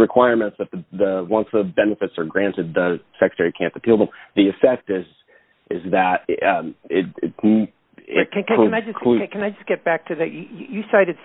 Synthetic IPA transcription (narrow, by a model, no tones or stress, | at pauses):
ɹɨkʰw̥aɪəɹmɨ̃ntsðɨt̪̚ðəðəwʌ̃nsðəbɛnɨfɨtsə˞ɡɹæ̃ntɨd̪̚ðəsɛkɹə̥tʰɛɹikʰæ̃ntɨpʰilˠə̃mðiɨfɛk̚tɪz | ʔɪzðɨɾʌɪtɪ̰t | ɪ̃knaɪd͡ʒʌsʰkʰɨ̃naɪd͡ʒʌsɡ̥ɛt̚b̥æk̚tʰɨðɨjɨjɨjɨsaɪɾɨd̥